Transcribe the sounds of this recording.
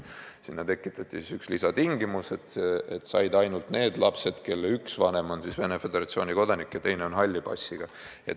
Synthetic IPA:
sinːɑt̪e̞kːˑit̪ːˑɑt̪ʲːˑisisykslisɑt̪iŋɡimuse̞t̪et̪sɑ̰jd̪ɑjnult̪ne̞ːd̪̥lɑpse̞d̪̥ke̞lːeyksvɑne̞mo̞nsisve̞nefe̞d̪e̞ɾɑt̪sioːnʲiko̞d̪ɑnikjɑt̪e̞jne̞o̞nɦɑlʲːipɑ̰sʲːiɡ̥ɑ | jḛ

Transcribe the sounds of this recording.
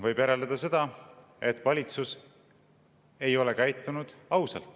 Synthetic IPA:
vɤjb̥jæɾeld̪ed̪̥ɑse̞d̪̥ɑ | e̞t̪ːˑvɑlʲit̪sus | e̞jo̞lekæjt̪ːˑunud̪̥ɑwsɑlt̪ːˑ

